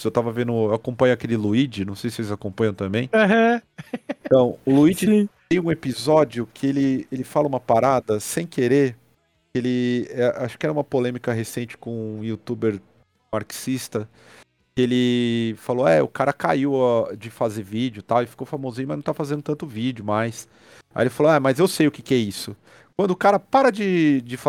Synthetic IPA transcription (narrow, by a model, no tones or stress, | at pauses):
sewt̪avɐvẽnd̪ʊewakõpɐ̃ɲʊakelɪluid͡ʒɪnɐ̃w̃sejsɪselɪzakõpɐ̃ɲjɐ̃w̃t̪ɐ̃mbẽj̃ɦɐ̃ | ẽt̪ɐ̃w̃ʊluid͡ʒɪsĩt̪ẽj̃ũepizɔd͡ʒjʊkʰɪelɪelɪfalɐũmɐpaɾad̪ɐsẽj̃keɾeɾ | kɪelɪɛʔaʃʊ̥kɪɛɾɐũmɐpolẽmikɐɦesẽnt͡ʃɪ̥kõiut̪ubeɾ | maɾksist̪ɐ | kɪelɪfaloɛʊ̰kaɾɐkaiwad͡ʒɪfazeɾvid͡ʒʊt̪awɪfi̥kowfamozĩɲʊmɐznɐ̃t̪aafazẽnd̪ʊt̪ɐ̃nt̪ʊvid͡ʒʊmajs | a̰elɪfaloɛmɐzewsejʊke̥kɪɛisʊ | kwɐ̃nd̪ʊʊkaɾɐpaɾɐd͡ʒɪd͡ʒɪfa